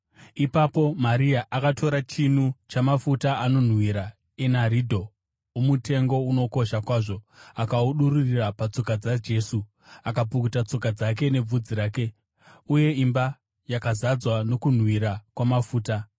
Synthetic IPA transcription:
ipapo̞maɾiaʔakatʰo̞ɾat͡ʃinut͡ʃamafutaano̞n̤wiɾa | e̞naɾidʱo̞ | umutʰe̞ŋɡo̞uno̞ko̞ʃakwaːʐo̞akauɗururirapat͡so̞kad͡zad͡ʒe̞ːsu | akap̬ukutat͡so̞kad͡zak̬e̞ne̞b͡vud͡ziɾaːke̞ | uje̞imba | jakazad͡zwano̞kun̤wiɾakwamafuːta

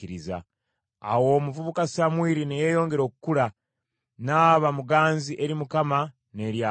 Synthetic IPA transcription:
iɾiza̰ | a̰wo̞ːmuvuβukasamwiːɾinejeːjo̞ːŋɡe̞ɾo̞ːkukuɾa | naːβamuɡaːnziʔe̞ɾimukama | ne̞ɾja

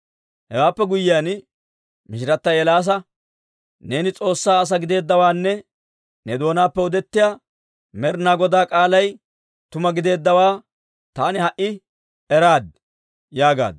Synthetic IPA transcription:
hɛwaːpːɛɡʊjːɪjaːn | mɪʃɪɾɐt̪ːɐjɛlaːs̬ɐ | ne̞ːnɪt͡sʼo̞ːsːaːɐs̬ɐɡɪd̪e̞ːd̪ːɐwaːnːɛ | nɛd̪o̞ːnaːpːɛɔd̪ɛt̪ːɪjaː | mɛɾnaːɡɔd̪aːkʼaːlɐj | t̪ʊmɐɡɪd̪e̞ːd̪ːɐwaː | t̪aːnɪhɐʔɪ | ɛɾaːd̪ | jaːɡa̰ːd̪

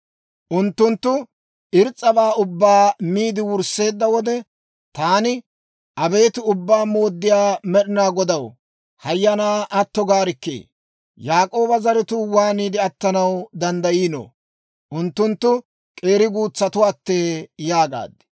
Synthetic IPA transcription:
ʔʊnt̪ːʊnt̪ːʊ | ʔɪɾt͡sʼːɐbaːʊbːaːmiːd̪ɪwʊɾse̞ːd̪ːɐwɔd̪ɛ | t̪aːnɪ | ʔɐbe̞ːt̪ɪʊbːaːmo̞ːd̪ːɪjaːmɛɗɪnaːɡɔd̪ɐw | hɐjːɐnaːʔɐt̪ːɔɡaːɾɪkːḛː | jaːkʼo̞ːbɐzɐɾɪt̪ʊwaːniːd̪ɪɐt̪ːɐnɐwd̪ɐnd̪ɐjiːno̰ː | ʔʊnt̪ːʊnt̪ːʊ | kʼe̞ːɾɪɡuːt͡sːɐt̪ʊwaːt̪ːeːjaːɡa̰ːd̪ɪ̥

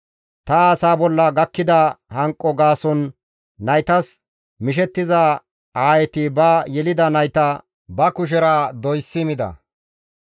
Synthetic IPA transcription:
t̪ɐːsaːbɔlːɐɡɐkːɪd̪ɐhɐŋkʼːɔɡaːsɔnː | ɐjt̪ɐs | mɪʃ̬ɛt̪ːɪzɐ | aːjɛt̪ɪbɐjɛlɪd̪ɐnɐjt̪ɐ | bɐkʊʃ̬ɛɾad̪ɔjsːɪmɪd̪ɐ̰

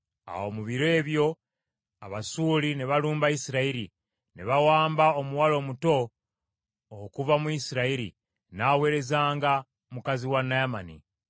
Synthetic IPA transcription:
a̰wo̞̰muβiɾe̞ːβjo̞ | a̰βasuːlineβaluːmbaisiɾaiɾi | neβawaːmbaomuwalo̞ːmuto̞ | kuvamuisiɾaiɾḭ | naːwe̞ːɾe̞zaːŋɡa | mukaziwanːajamanḭ

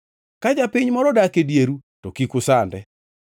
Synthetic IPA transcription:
kad͡ʒapɪɲmɔɾɔdakedjeɾutokikʊsandɛ

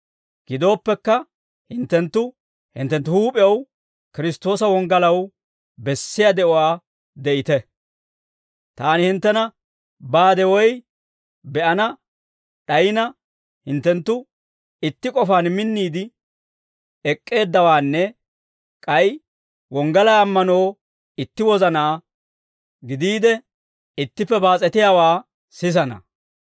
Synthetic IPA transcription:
ɡ̥ɪd̪o̞ːpːɛkːɐ | hɪnt̪ːɛnt̪ːʊ | hɪ̰nt̪ːɛnt̪ːʊhuːpʼɪjɐw | kɪɾɪst̪ːo̞ːsɐwɔŋɡɐlɐw | bɛsːɪjad̪ɛʔɔwaː | d̪ɛʔɪt̪ɛ | t̪aːnɪhɪnt̪ːɛnɐ | baːd̪ɛwɔj | bɛʔɐnɐ | ɗɐjɪnɐ | hɪnt̪ːɛnt̪ːʊ | ɪt̪ːɪkʼɔfaːnmɪnːiːd̪ɪ | ɛkʼːe̞ːd̪ːɐwaːnːɛ | kʼɐj | wɔŋɡɐlaːmːɐnoː | ɪt̪ːɪwɔzɐnaː | ɡɪd̪iːd̪ɛ | ɪt̪ːɪpːɛbaːt͡sʼɛt̪ɪjaːwaː | sɪs̬ɐnɐ̰

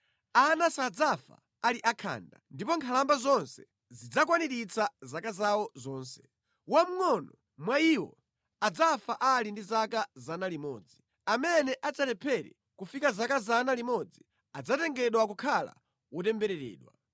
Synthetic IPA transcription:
anasad͡zafa̰ | aliʔakʰa̰ːndandipɔŋkʰalambazɔnsɛ | zid͡zakwaniɾit͡sʰazakazawɔzɔːnsɛ̥ | wam̩ŋɔnɔ | mwaiːwɔ̰ | ad͡zafaʔalindizakazanalimɔ̰ːd͡zi | amɛnɛʔat͡satɛpʰɛɾḭ | kufikazakazanalimɔd͡zi | ad͡zatɛŋɡɛɗwakukʰala̰ | wɔtɛmbɛɾɛɾɛ̰ːɗwa̰

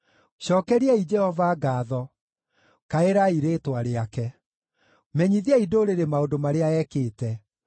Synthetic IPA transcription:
ɕɔːkɛɾiɛid͡ʒɛhɔvaɡaːðɔ | kaeɾaiɾeːtwaɾeakɛ | mɛɲiðiaidoːɾeɾemaodomaɾeaɛːkeːtɛ

